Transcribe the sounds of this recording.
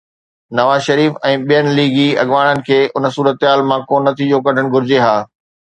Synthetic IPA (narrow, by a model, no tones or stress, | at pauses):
nɐʋaːzʃɐɾiːfɛ̃ːɓijənɪ̆liːɡiɐ̰ɠʋaːɽ̃ənɪ̆kʰeːʔʊnə̆suːɾət̪ɦaːlmãkoːnːɐt̪ʰid͡ʑoːkɐɖʱəɽ̃̆ɡʱʊɾɪd͡ʑeɦaː